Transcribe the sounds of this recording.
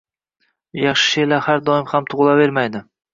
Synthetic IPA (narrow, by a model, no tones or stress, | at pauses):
jɑχʃɪ̥ʃelahaɾd̪ɒɪmhamt̪ʰʊʁlˠave̞ɾmajd̪ɪ